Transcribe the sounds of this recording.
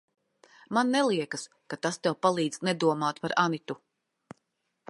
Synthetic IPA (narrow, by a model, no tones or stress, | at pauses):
manːɛlˠiɛkas | kat̪ast̪ɛwpalˠiːd̪z̥nɛd̪uɔmaːt̪paɾanit̪u